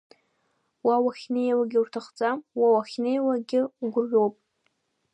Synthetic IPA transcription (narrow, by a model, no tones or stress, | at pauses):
wawaχʲnejawaɡʲɪurtʰaχd͡zʼamwawaχʲnejwaɡʲɪɡʷʊrʒʲowpʼ